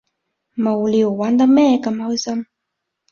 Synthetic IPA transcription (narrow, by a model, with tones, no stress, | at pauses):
mo˨˩wli˨˩˨wwa˨˥nd̪ə˧mɛ˥˨ka˧˩ma˧˥wsə˥m